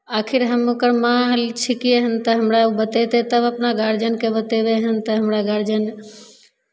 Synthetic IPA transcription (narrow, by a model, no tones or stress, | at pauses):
akʰiɾɦəmokəɾmãɦəlt͡ʃʰikiəɦənt̪əɦəmɾaubət̪et̪et̪əbəpnaɡaɾd͡ʒənkebət̪ebeɦənt̪əɦəmɾaɡaɾd͡ʒən